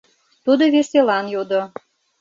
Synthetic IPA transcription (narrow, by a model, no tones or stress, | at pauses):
t̪ud̪oβeselɑnjud̪o